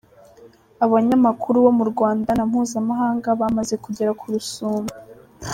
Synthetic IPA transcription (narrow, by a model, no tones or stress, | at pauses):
aβaɲamakʰuɾuβo̞muɾɡwaːndanam̥huːzamaɦaːŋɡaβamaze̞kuɟe̞ɾakʰuɾusuːmbu